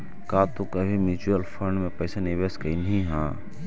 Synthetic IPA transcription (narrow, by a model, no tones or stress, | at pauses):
kaːt̪okɐbʱimut͡ʃuəlfʰəɳɖmẽpɐːsanɪʋeskɐinəɦĩɦãː